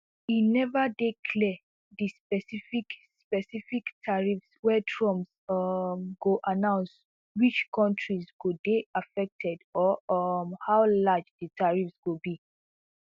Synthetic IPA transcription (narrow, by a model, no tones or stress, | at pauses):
inɛvədekʰlɛ | ðispɛsifikspɛsifiktʰaɹifswɛtʰɹɔ̃ms | mɡoʔanãʊ̃ns | wit͡ʃkɔ̃ntʰɹizɡudeafɛk̚tʰɛdɔmhawlad͡ʒdətʰaɹifsɡobi